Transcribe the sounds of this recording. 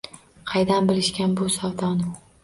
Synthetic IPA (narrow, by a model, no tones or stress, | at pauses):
qʰɑjd̪anbɪlɪʃkʲanbʊsɒwt̪ʰɒnɪ